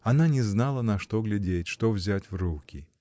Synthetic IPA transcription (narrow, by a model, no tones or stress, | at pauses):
ananʲɛznalˠɐnɐʂt̪ɔɣlʲadʲet͡sʲʂt̪ɔwzʲat͡sʲwrukʲi